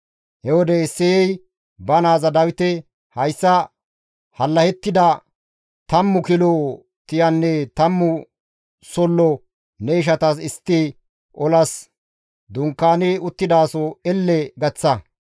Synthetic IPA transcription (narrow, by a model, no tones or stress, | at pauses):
hɛwɔd̪ɛɪsːɛjɛj | bɐnaːzɐd̪ɐwɪt̪ɛ | hɐjsːɐ | hɐlːɐhɛt̪ːɪd̪ɐ | t̪ɐmːʊkɪloː | t̪ɪjɐnːɛt̪ɐmːʊ | sɔlːɔ | nɛɪʃ̬ɐt̪ɐs̬ɪst̪ːiː | ɔlɐs | d̪ʊŋkːaːnɛʊt̪ːɪd̪aːsɔɛlːɛɡɐt͡sːɐ